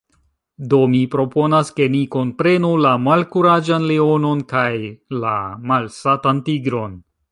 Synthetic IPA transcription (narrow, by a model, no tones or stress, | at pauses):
do̞mipɾo̞po̞naske̞niko̞npɾe̞nulamalkuɾad͡ʒanleo̞no̞nkajla̰malsatantiɡɾo̞n